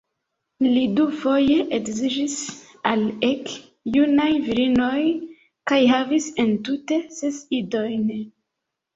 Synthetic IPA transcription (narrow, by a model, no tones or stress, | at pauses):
lidufo̞je̞ʔekzid͡ʒis | alek | junajviɾino̞j | kajɦavise̞ntute̞sesido̞jn